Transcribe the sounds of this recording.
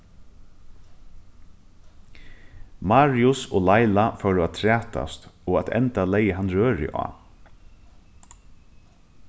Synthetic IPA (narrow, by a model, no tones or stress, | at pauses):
maɾjʊsɔːlajlafœɾʊat̪t̪ʰɾæːt̪a̰st̪ɔːat̪ɛ̰nt̪alɛjəɦanːɾøːɾɪ̰ʔɑ̰ː